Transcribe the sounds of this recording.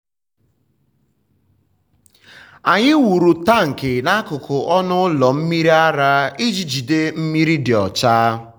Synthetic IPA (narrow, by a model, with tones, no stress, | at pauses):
a˨ɲɪ˦wu˨ɾu˨ta˦˨ŋ̩˨kɪ˨na˦kʊ˨kʰʊ˨ʔɔ˦nʊ˦lɔ˨m̩˦mi˦ɾi˦a˦ɾa˦i˦d͡ʒi˨d͡ʒi˨de˦m̩˦mi˦ɾi˦dɪ˨ɔ˨t͡ʃaː˦